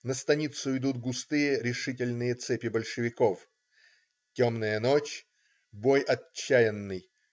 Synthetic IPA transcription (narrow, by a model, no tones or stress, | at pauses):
nəst̪ɐnʲit̪sʊɪd̪ut̪̚ɡʊst̪ɨjəɾʲɪʂɨt̬ʲɪlʲnɨjət̪sɛpʲɪbəlʲʂɨvʲɪkof | tʲomnəjənot͡ɕ | bojɐt͡ɕːæjɪnːɨj